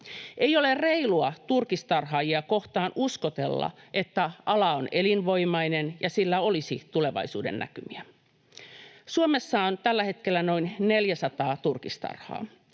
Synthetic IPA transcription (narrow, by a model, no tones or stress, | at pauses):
ʔeijolerreiluɑt̪urkist̪ɑrɦɑːjiɑko̞ht̪ɑːnʔuskot̪elːɑ̰ʔet̪ːæʔɑlɑonelinʋo̞imɑinenjɑsilːæo̞lisit̪ule̞ʋɑ̰isuːdḛnːæ̰kymiæ | suomesːɑont̪ælːæhe̞t̪kelːæno̞inneljæsɑt̪ɑːt̪urkist̪ɑ̰rhɑ̰ː